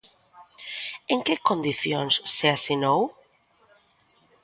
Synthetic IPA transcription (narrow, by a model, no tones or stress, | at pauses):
eŋkekond̪iθjoŋsːeasinow